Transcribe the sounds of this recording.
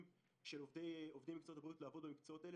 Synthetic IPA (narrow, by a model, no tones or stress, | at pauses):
m | ʃelovd̪ejovd̪ijmikt͡sootabʁiut̪leaːvo̞d̪bemikt͡soo̞t̪ael